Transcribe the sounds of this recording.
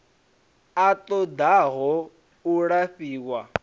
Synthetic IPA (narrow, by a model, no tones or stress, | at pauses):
at̪ʼɔd̪aɦɔ | uɺaɸiːwa